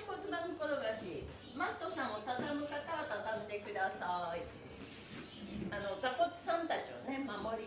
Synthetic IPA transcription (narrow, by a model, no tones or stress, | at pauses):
kot͡sɨbanɯkod̪oɡaɕi | mat̪ːo̞sãɰ̃ot̪at̪amɯ̟kat̪aat̪at̪and̪e̞kɯ̟d̪asai | ano̞d͡zako̞t͡sɨ̥sãnt̪at͡ɕio̰ne̞mamo̞ɾʲi